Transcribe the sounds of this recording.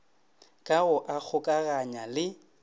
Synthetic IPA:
kʼaɣʊʔak͡xʰʊkʼaɣaɲalɪ

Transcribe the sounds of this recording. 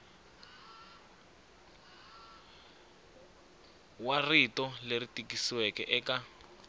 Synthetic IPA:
waritɔleritikisiwɛkɛʔɛka

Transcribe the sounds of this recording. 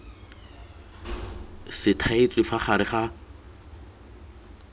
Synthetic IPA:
sɪtʰaet͡sʼwɪfaχaɾɪχa

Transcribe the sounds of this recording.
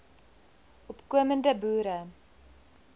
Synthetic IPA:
ʔɔpkuəməndəbuːɾə

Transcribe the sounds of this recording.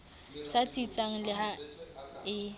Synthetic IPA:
sat͡sʼit͡sʼaŋ̩lɪɦa | ɪ

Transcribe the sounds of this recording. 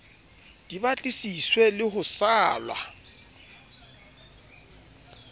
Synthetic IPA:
d̥ibat͡ɬʼisiswɛlɪhʊsaːlwa̰

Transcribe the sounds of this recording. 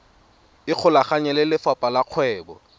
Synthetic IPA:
ɪq͡χʰʊlaχaɲɛlɪlɪfapʼalaq͡χʰwɛːbɔ̰

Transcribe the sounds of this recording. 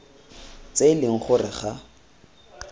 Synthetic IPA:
t͡selɪŋ̩χʊrɪχa

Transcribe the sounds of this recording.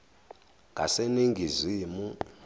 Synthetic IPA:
ɡʱaseniŋɡʱizʷimu

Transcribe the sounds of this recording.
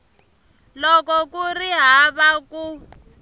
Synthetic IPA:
lɔkɔkuriɦaβaku

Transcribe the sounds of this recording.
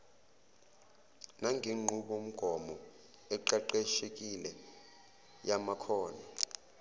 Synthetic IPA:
naŋeŋ͡ǃʱuɓom̩ɡ̥ʱɔmɔ | ɛǃaǃeʃek̬ilɛ | jamakʰɔːna

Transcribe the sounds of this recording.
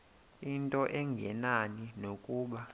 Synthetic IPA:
intʼɔʔɛŋɡʱɛ̰naninokʼuːɓa

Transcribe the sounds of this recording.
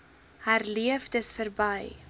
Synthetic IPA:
hæːrliəfdəsfərbɐj

